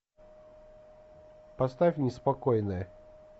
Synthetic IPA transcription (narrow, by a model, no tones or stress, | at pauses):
pɐst̪afʲnʲɪspɐkojnəjə